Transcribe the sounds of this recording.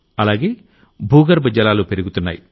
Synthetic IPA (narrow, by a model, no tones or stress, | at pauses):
ɐlaːɡe̞ː | bʱuːɡɐɾbʱɐd͡ʒɐlaːlupeɾiɡut̪unːa̰ːji